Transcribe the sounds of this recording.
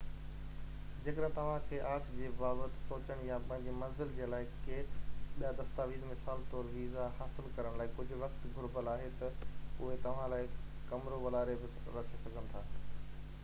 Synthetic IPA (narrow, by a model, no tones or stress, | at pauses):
d͡ʑeːkəɗə̃t̪ɐʋ̤ãkʰeʔaːt͡ɕd͡ʑeːbaːbət̪ɪ̥̆soːt͡ɕəɽ̃japɐ̃ɦɪ̃ɲd͡ʑemɐ̃nzɪld͡ʑeːlaːɪkeːɓijad̪ɐst̪aːʋiːd̪mɪsaːlt̪oːlɦiːzahaːsɪlkɐɾəɽ̃laːɪkʊd͡ʑʱʊ̆ʋɐxt̪ɡʱʊɾbəlaːɦet̪ɐʊɦet̪ɐʋ̤ãlaːɪkɐmɾoʋɐlaːɾebɪ | ɾɐt͡ɕʰesɐɡʱəñɪ̆t̪ʰaː